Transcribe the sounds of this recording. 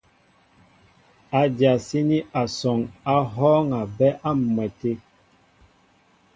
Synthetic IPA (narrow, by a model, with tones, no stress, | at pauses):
a˨dja˨si˦ni˦ʔa˨sɔ˨ŋa˦ɦɔ˦ŋa˨bɛ˦ʔa˦m˨mwɛ˨te˦